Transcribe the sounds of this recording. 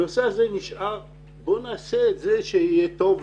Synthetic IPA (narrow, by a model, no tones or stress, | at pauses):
oseazeniʃʔaʁ | bo̞naːseːtzeʃeijet̪o̞v